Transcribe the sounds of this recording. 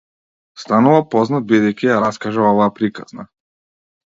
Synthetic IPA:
st̪anuvapɔznad̪̚bid̪ɛjkʲijaɾaskaʒɛɔvaːpɾikaz̥na̰

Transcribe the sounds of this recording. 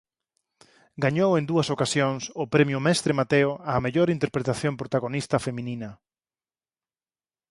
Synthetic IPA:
ɡaɲowend̪uɐsokasjoŋsʊpɾɛmjʊmɛst̪ɾɪmat̪eʊameʎoɾint̪eɾpɾet̪aθjompɾot̪aɣ̞onist̪ɐfemĩnĩnɐ

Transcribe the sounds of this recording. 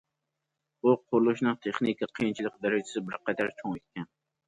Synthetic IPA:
uqʰʊɾlˠuʃnɨŋt̪ʰeχnikʰʲɑqʰəjint͡ʃʰilˠɪk̚d̪ɛɾɪd͡ʒɪsɪbɪɾqʰɛd̪ɑɾt͡ʃʰoŋet̪̚kʲɛn

